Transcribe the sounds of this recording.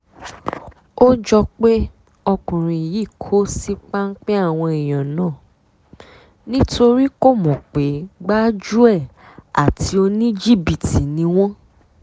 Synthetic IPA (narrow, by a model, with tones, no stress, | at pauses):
o˦d͡ʒɔ˧k͡pe˦ | ɔ˧kũ˨ɾ̃ĩ˨ji˨˦˨kʰo˦si˦k͡pa˦ŋ̩˦k͡pe˦a˦˨w̃ɔ̃˧i˨j̃ã˨nãː˨˦˨ | nĩ˦to˧ɾi˦ko˦˨mɔ̃˨k͡pe˨˦ɡ͡ba˦d͡ʒu˦ɛ˦˨ | a̰˨ti˧˦o˧nĩ˦d͡ʒi˦˨bi˦˨ti˨˦nĩ˧˦w̃ɔ̃˦